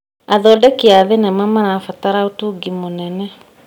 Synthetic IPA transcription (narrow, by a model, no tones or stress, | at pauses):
aðɔːdɛkeaðenɛmamaɾafataɾaotuɡimonɛnɛ